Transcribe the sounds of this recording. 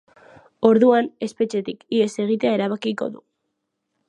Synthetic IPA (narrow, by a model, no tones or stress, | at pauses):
o̞ɾðuane̞spe̞t͡ʃe̞t̪ikie̞se̞ɣ̞it̪e̞ae̞ɾaβ̞akiko̞̰ðu